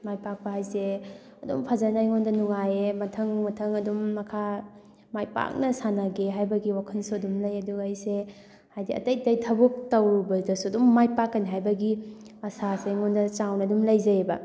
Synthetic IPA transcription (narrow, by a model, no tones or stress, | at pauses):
majpak̚pɐɦajse | ɐdṵmpʰazanajŋondɐnuŋajemɐtʰɐŋmɐtʰɐŋɐdumːɐkʰa | majpa̰k̚nɐsanaɡeɦajbɐɡiwakʰɐnsuɐdumlɐjɐduɐjse | hajdiɐ̰tɐjdɐjtʰɐbuk̚tɐwɾubɐdɐsuɐdumːajpakːɐniɦajbɐɡi | ɐsasejŋɔndɐt͡ʃawnɐɐdumlɐjzɐbɐ